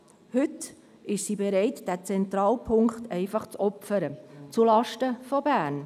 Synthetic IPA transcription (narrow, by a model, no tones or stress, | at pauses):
hʏt | ɪʃsiːbɛɾɛɪtd̥æt͡sɛnt̪ɾɑːlpʰʊŋkχt̪ɛɪfɑχt͡sɔpfəɾət͡sulɑʃtəfɔbæːrn